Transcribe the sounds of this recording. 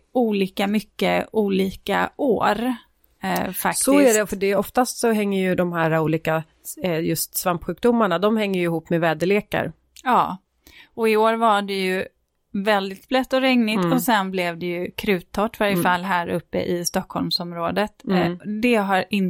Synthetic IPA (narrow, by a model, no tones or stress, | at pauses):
uːliːkamʏkːəuːliːka̰ʔoːɾ | faktsɔɪæɖɛfœɖɛɔft̪ast̪sɔɦɛŋːəjɵd̪ɔmhæːɾauːliːka | jɵst̪svampɧʉ̟ːk̚d̪ʊmːaɳad̪ɔmhɛŋːəjɵɪhuːpːmɛvɛːd̪əɭeːka̰ɾ | jɑː | ɔɪoːɾvaɖɛjɵ | vɛld̪ɪt̪̚blɛt̪ːɔɾɛŋnɪɔsɛnblɛvd̪ɛjɵkʰɾʉ̟ːt̪ʰːɔʈːvaɾjəfalːɦæːɾɵpːə̰ʔɪst̪ɔkʰːhɔlmsɔmɾoːd̪ət̪d̪ɛɦaɾɪn